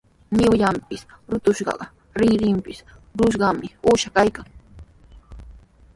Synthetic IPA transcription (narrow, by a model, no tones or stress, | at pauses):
nɪwʎampɪs | ɾʊt̪ʊʃɢɑ̰ɢɑ | ɾɪɾɪmpɪsɾʊʃɢɑmɪuːʃakajkaŋ